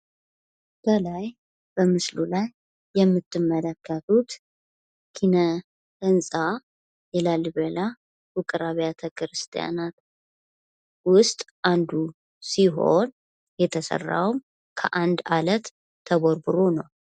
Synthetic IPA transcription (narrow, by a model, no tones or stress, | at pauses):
b̥əlaj | b̥əmɨslulajː | ɛmːɨt̪ʰːɨmːələkʰːət̪ut̪ | kʰinə | ənsʼa | jɛlalbəla | wʊkʼɨɾaβjat̪ʰəkʰɨɾɨst̪ʰʼja̰nat̪ | wʊst̪ʼʔand̪u | siɦo̞̰n | jɛt̪ʰəsə̰rːa̰wm | kʰəʔand̪alət̪ʰː | əβoɾbɨɾonəw